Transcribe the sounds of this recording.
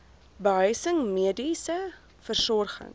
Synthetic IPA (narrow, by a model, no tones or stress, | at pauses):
bəɦœɥsəŋmiədisə | fərsɔrχə̰ŋ